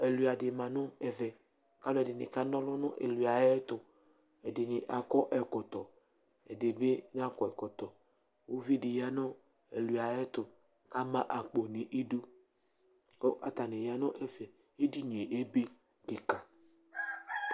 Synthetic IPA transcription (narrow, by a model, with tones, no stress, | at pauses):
ɛ˨lu˨a˨dɪ˨mã˨nɔ̃˦ɛ˨vɛ˨ | ka˦lɛ˨dɪ˨nɪ̰˨ka˦nɔ̃˦lɔ˦nɔ̃˦ʔḛ˨lu˨a˨jɛ˦t̪ʊ˨ | ɛ˨dɪ˨nɪ˨ʔa˨kɔ˦ʔɛ˨kɔ˨t̪ɔ˨ | ɛ˨de˨be˦ɲ˦a˦kɔ˨ɛ˨kɔ˨t̪ɔ˨ | wo˦vi˦dɪ˨ja˦nɔ̃˦ | ḛ˨lu˨a˨jɛ˦t̪ʊ˨ | ka˦mã˦ʔa˨k͡po˨nẽ˨ʔe˦du˦ | ko˦ʔa̰˨t̪a˨ne˨ja˨nɔ̃˦ʔɛ˨vɛ˨ | e˦di˦ɲ˨e˨ʔe˦be˦ | dɪ˨ka˨